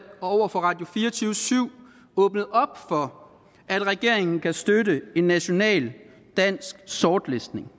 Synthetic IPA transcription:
ɒ̽ɒʊ̰ɐfɒ̽ʁɑ̈ːd̥jo̝fiːɐt͡sʰyːʊsyʊ̰ | ɔ̽ːb̥nəð̩ˠɒ̽b̥fɒ̽ | æd̥ʁɛɡ̥e̝ɐ̰e̝ŋn̩kʰæsd̥ødəe̝nːæɕo̝nɛ̰ːl | d̥æn̰sɡ̥sɒːd̥lesd̥ne̝ŋ

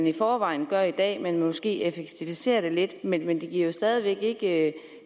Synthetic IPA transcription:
nifɒːʋɑ̈ɪ̰n̩ɡ̥ɶɐid̥ɛ̰ːmenmɒsɡ̥e̝̰ːefeɡ̥̚t͡sʰifise̝̰ːɐɾ̥e̝le̝d̥menmend̥eɡ̥iɐ̰jo̝sd̥ɛːð̞ˠiʋeɡ̥e̝ɡ̥əø

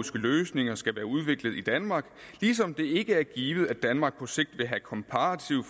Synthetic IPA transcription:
isɡ̥əløːsne̝ŋɐsɡ̥æʋæːɐuð̞ˠʋe̝ɡ̥lð̞̩ˠid̥ænmɑ̈ɡ̥lisɒ̽md̥e̝e̝ɡ̥əæɐɡ̥iːʋð̩ˠæd̥ænmɑ̈ːɡ̥̚pʰɒ̽se̝ɡ̥̚d̥ʋe̝ɦækʰɒ̽mpʰɑʁɑt͡sʰiʊf

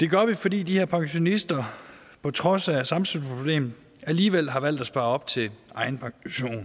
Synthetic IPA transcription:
d̥e̝ɡ̥ɶɐʋifɒ̽dḭːd̥iheɐ̰pʰɑ̈ŋɕo̝nisd̥ɐ | pʰɒ̽t͡sʰʁɒ̽sæsɑ̈mselspʰʁob̥le̝̰ːmð̩ˠ | æliːʋel̰ɦɑ̈ʋæl̰d̥æsb̥ɑ̈ːɒ̽b̥̚t͡sʰe̝ɑ̈ɪn̩pʰɑ̈ŋɕo̝̰ːn

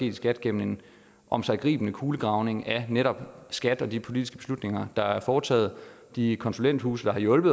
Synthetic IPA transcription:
e̝̰ːd̥isɡ̥æd̥ɡ̥em̰m̩e̝n | ʔɒ̽msɑ̈ɪɡ̥ʁḭːb̥ənəkʰuːləɡ̥ʁɑ̈ʊne̝ŋæneɾɒ̽b̥sɡ̥æd̥ɒ̽dipʰo̝lid̥isɡ̥əb̥e̝slud̥ne̝ŋɐd̥ɑ̈æɐfɒːt͡sʰɛ̰ːð̞̩ˠ | d̥ikʰɒ̽nsulen̰d̥hṵːsəd̥ɑ̈hɑ̈jɔ̽lb̥ð̩ˠ

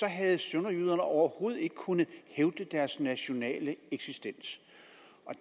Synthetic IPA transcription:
sɒ̽ɦæð̞̩ˠsønɐjyð̞̰ˠɐnəɒʊɐho̝ːð̞̩ˠe̝ɡ̥əkʰunð̩ˠheʊd̥əd̥æɐsnæɕo̝nɛ̰ːləeɡ̥sisd̥en̰s | ɒ̽

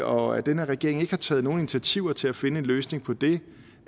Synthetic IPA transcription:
ɒ̽æ̰d̥enəʁɛɡ̥e̝ɐ̰eŋe̝ɡ̥əhɑ̈t͡sʰɛ̰ːð̩ˠno̝ːn̩i̝nit͡sʰiæt͡sʰiʊ̰ɐt͡sʰe̝læfe̝nəe̝nløːsne̝ŋpʰɒ̽d̥e̝

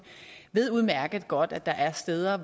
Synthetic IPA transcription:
ʋe̝ð̞̰ˠuð̞ˠmæɐɡ̥ð̩ˠɡ̥ɒ̽d̥æd̥ɑ̈ʔæɐsd̥eːð̞ˠɐʋ

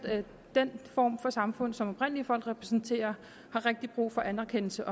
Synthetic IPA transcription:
d̥enfɒ̰ːmfɒ̽sɑ̈mfɔ̽n̰ðˠsɒ̽mɒ̽b̥ʁen̰liəfɒ̽l̰ɡ̥ʁɛpʰʁɛsn̩t͡sʰe̝̰ːɐ | hɑ̈ʁeɡ̥̚d̥ib̥ʁṵːfɒ̽ʔænɐkʰen̰l̩səʔɒ̽

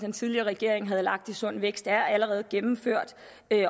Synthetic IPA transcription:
d̥ent͡sʰiðˠliɐːʁɛɡ̥e̝ɐ̰e̝ŋ̩ɦæð̞̩ˠlɑ̈ɡ̥̚d̥isɔ̽n̰ʋeɡ̥sd̥æɐæləʁɛːð̞̩ˠɡ̥emm̩føɐ̰d̥ | ø

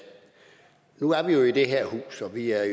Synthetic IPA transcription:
nuæɐʋijo̝id̥e̝ɦeɐ̰hṵːsɒ̽ʋiæɐ

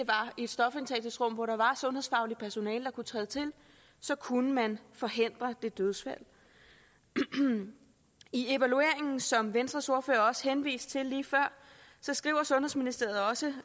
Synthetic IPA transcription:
d̥e̝ʋɑ̈e̝d̥sd̥ɒ̽fe̝nt͡sʰḛd̥isd̥ʁɔ̽m̰ʋɒɾɑ̈ʋɑ̈sɔ̽nhe̝ðˠsfɑ̈ʊli̥pʰæɐso̝nɛːld̥ɑ̈kut͡sʰʁɛ̰ːð̞ˠt͡sʰe̝l | sɒ̽kʰunəmænfɒ̽ɦe̝n̰d̥ʁɐd̥e̝d̥øð̞ˠsfæl̰ | ie̝ʋælue̝̰ɐ̰e̝ŋn̩sɒ̽mʋensd̥ʁɐso̝ɐfø̰ːɐɒ̽sə̥henʋḭːsd̥̚t͡sʰe̝lːiːfɶɐ̰sɒ̽sɡ̥ʁḭʊ̰ɐsɔ̽nɦhe̝sminisd̥e̝ɐ̰ð̩ˠɒ̽sə

